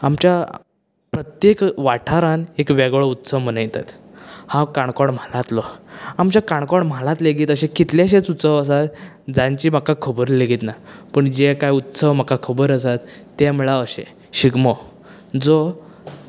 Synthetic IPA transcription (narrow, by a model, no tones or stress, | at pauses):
amt͡ɕja | pɾət̪jekʋaʈʰaɾanekʋɛɡɭɔut̪səʋm̤ənajt̪at̪hãkaɳkɔɳm̤alat̪lɔamt͡ɕakaɳkɔɽm̤alãt̪leɡiːt̪əɕẽkit̪ljaɕ̬ẽt͡sut̪səʋəsat̪ | d͡zaɲt͡ɕiːmakːakʰəbəɾleɡiːt̪napəɳd͡ʑekajut̪səʋm̤akakʰəbəɾəsat̪ː | eməɭaəɕḛ | ɕiɡmɔ | d͡zɔ